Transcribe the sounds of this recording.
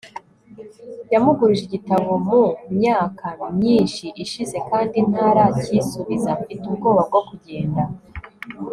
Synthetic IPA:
jamuɡuɾʒiɟitaβomumɲaːkaɲiːnʃiʔiʃize̞kaːndin̥haːɾacisuβizafitubɡo̞ːβab̚ɡo̞kuɟe̞ːnda

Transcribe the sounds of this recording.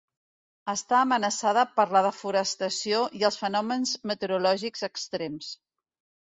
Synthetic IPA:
əst̪aəːmənəsaðəpəɾləðəfuɾəst̪əsioʔiəlˠsfənɔmənzmət̪əɾulɔʒikz̥əkst̪ɾems

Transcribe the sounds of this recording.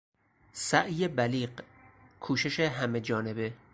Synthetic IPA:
sæʔjebæliːɢ | kʰuːʃe̞ʃeɦæme̞d͡ʒɒːne̞be

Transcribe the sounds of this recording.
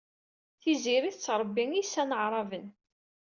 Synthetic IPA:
θiziɾiθt͡sːɾˤəbːiŋisːænəʕɾˤɑvən

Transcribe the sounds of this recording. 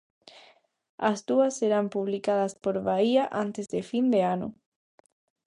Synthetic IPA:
azd̪uaseɾampuβlikaðaspo̞ɾβaiaʔant̪ezd̪efind̪eano̰

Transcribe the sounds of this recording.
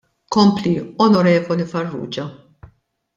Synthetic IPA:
kɔmpliɔnɔɾɛːvɔlifɐrːṵːd͡ʒɐ

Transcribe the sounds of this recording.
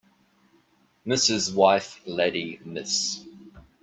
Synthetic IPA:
mɪsɪzwaɪflɛɾimɪs

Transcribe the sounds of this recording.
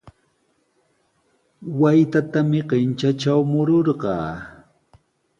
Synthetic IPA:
wajt̪at̪amɪɢent͡ʃat͡ʃawmʊɾoɾɢɑ̰ː

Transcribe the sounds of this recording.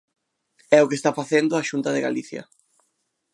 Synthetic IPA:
ɛʊkest̪afaθend̪ʊaʃunt̪ɐðɪɣa̰liθjɐ̰

